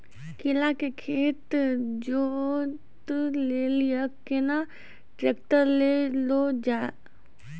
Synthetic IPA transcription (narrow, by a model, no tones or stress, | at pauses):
kɪlakekʰeːt̪d͡ʒo | t̪leːlijəkena | ʈɾekʈəɾlelod͡ʒaː